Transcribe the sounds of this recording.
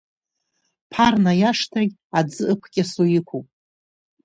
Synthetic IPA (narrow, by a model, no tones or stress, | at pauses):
pʰarnajaʂtʰaɡʲ | ad͡zɨʔɨkʷʰɡʲasojikʷʰupʼ